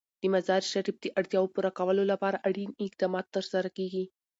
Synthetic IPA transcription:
d̪̥əmazɑɾʃaɾib̚d̪əʔaɽt̪jɑwopuɾakawəlolapɑɾaʔaɽinɪqd̪ɑmɑt̪ːəɾsaɾakeɡi

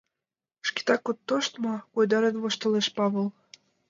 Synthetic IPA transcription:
ʃki̥t̪ɑkːot̪ːoʃt̪mɑkojd̪ɑɾenβoʃt̪ɤ̆leʃpɑβɤ̆l

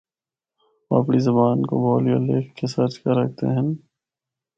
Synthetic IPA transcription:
a̰ːpɽizɐbaːnko̰bʱɔːlijoleːkʰːesɐɾd͡ʒkɐɾɐk̚ʰt̪ḛɦɛ̃n

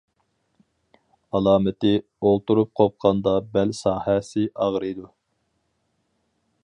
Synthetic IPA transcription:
ɑlˠɑːmɪt̪ɪ | olˠt̪uɾup̚qʰop̚qʰɑnd̪ɑbælsɑːhɛsɪʔɑʁɾɨjd̪u

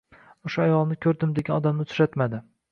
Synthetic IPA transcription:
ʊʃʊajɒlˠnɪkʲʰɵɾd̪ɪmd̪eɡʲanɒd̪amnɪt̪ʰɾat̪mad̪ɪ

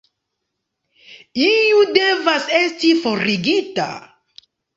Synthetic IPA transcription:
iude̞vase̞stifoɾiɡita̰

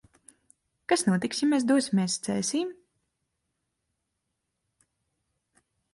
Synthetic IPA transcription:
kasnuɔt̪iksjimːɛːs̬d̪uɔsʲimʲeːst̪sɛːsʲiːm

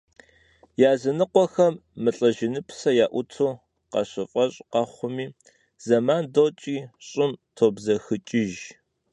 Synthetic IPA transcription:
jaːzɐnɨqʷɔxɐmːɨɬʼɐʒɪnɨpʰsɐjaːʔʷʊtʰoː | qɐ̰ɕɪfʼɐɕʼqɑχʷʊmiː | z̥ɐmaːndot͡ʃʼiːɕʼɪmtʰoːbzɐxɨt͡ʃʼɪʒ

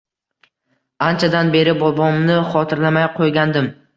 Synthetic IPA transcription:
ant͡ʃʰad̪anbe̞ɾɪbɒbɒmnɪχɒt̪ʰɪɾlamajqʰojɡʲand̪ɪm

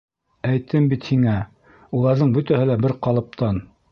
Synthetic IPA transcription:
æjt̪ʰɘmbit̪hiŋæ | ulˠɑɾðɤɴbɵ̆t̪æhɘlæbɘɾqɑlˠɤ̆p̚t̪ʰɑn

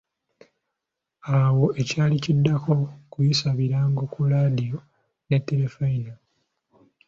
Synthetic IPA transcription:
awo̞ʔe̞caːlicidːako̞kujisaβiɾaːŋɡo̞kuɾadijo̞ | ne̞tːe̞le̞faina

